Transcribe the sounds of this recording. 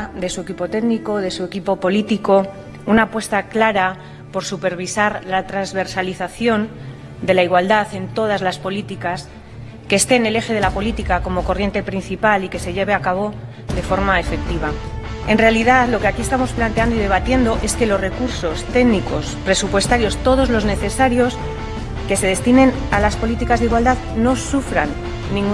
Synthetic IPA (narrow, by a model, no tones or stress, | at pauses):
ðe̞suekipo̞t̪e̞ɣniko̞ðe̞sue̞kipo̞po̞lit̪iko̞ | unaːpwest̪aklaɾa | po̞ɾsupe̞ɾβ̞isaɾlat̪ɾanzβe̞ɾsaliθaθjo̞n | d̪e̞laiɣwald̪aθe̞nt̪o̞ð̞azlaspo̞lit̪ikas | ke̞ːst̪e̞ne̞le̞xe̞ð̞e̞lapo̞lit̪ikako̞mo̞ko̞rje̞nt̪e̞pɾin̟θipalike̞se̞ʝe̞βeakaβ̞o̞ | ðe̞fo̞ɾmae̞fe̞k̚t̪iβ̞ae̞nre̞aliðaðlo̞ke̞akie̞st̪amo̞splant̪eand̪oiðe̞β̞at̪je̞nd̪o̞ʔe̞ske̞lo̞sre̞kuɾso̞st̪e̞ɡniko̞spɾe̞supwe̞st̪aɾjo̞st̪o̞ð̞o̞zlo̞zne̞θe̞saɾjo̞s | ke̞se̞ð̞e̞st̪ine̞n | alaspo̞lit̪ikazðiɣwald̪að | no̞sufɾa̰nː | ĩŋ